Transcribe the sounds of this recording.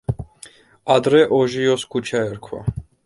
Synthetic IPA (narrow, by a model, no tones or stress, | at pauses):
ad̪ɾɛʔɔʒiɔskʰut͡ʃʰaɛɾkʰwa̰